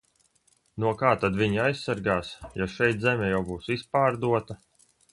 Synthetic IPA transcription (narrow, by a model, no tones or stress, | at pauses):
nuɔkaːt̪ad̪vʲiɲajsːaɾɡaːsjɔʃɛjt̪zɛmʲɛjawbuːsispaːɾd̪uɔt̪a